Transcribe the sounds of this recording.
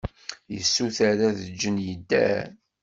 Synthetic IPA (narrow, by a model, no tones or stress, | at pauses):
jəsːuθæɾæðəd͡ʒːənjəd̪ːæ̰